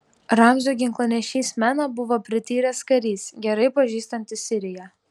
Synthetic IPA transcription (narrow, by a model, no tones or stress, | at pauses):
ɾɑmʲʒʲuɡʲɪŋklˠoːnʲɛʃʲiːsʲmʲæːnɐbʊʋoːpʲɾʲɪt̪ʲiːɾʲɛskɐɾʲiːsɡʲɛɾɐɪpɐʒʲiːst̪ɐnʲt̪ʲɪsʲɪɾʲɪjɛ